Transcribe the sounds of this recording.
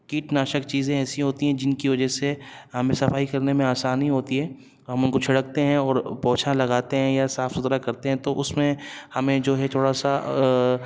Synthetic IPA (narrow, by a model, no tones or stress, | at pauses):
kiːʈnaːʃəkt͡ʃiːzẽɛːsiɦoːt̪iɦɛ̃d͡ʒɪnkiʋɐd͡ʒəseɦɐmẽsɐfaːikɐɾnemẽaːsaːniɦoːt̪iɦɛ̃ː | ɦɐmʊnkot͡ʃʰɐɽək̚t̪eɦɛ̃ɔːɾpɔːt͡ʃʰalɐɡaːt̪eɦɛ̃jasaːfsʊzɾakɐɾt̪eɦɛ̃t̪oʔʊsmẽhɐmẽd͡ʒoːɦɛt̪ʰoːɽasa